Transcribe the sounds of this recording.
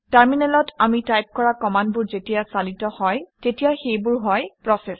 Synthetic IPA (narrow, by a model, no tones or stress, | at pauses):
taɹminɛlɔtamitajp̚kɔɹakɔmandbʊɹzetijasalitɔhɔjtetijaxejbʊɹɦɔjpɹɔsɛs